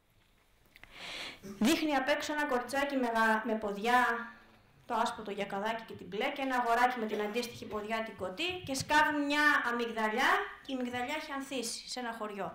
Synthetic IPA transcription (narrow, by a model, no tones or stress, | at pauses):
ðixniɐpe̞ksoenɐko̞ɾit͡sɐcimeme̞po̞ðʝɐ | t̪o̞ɐspot̪o̞ʝɐkɐðɐci̥ce̞t̪ible̞cenɐːɣo̞ɾɐcime̞t̪inɐnd̪ist̪içipo̞ðʝɐt̪iɡo̞t̪ice̞skɐvummɲɐːmiɣðɐʎɐceimiɣðɐʎɐeçeɐnθisi̥se̞nɐxo̞ɾʝo̞